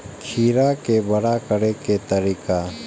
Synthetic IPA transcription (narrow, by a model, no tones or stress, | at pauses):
kʰiːɾaːkebəɽakəɽeket̪əɾika